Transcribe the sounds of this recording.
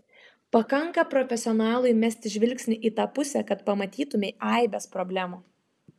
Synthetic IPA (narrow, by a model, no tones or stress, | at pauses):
pɐkɐŋkɐpɾɔfʲɛsʲɔnɑːlˠʊɪmʲɛsʲt̪ʲɪʒʲʋʲɪlʲksʲnʲɪʔiːt̪ɑːpʊsʲɛkɐt̪pɐmɐt̪ʲiːt̪ʊmʲɛɪʔɑˑɪbʲɛspɾɔbʲlʲæːmu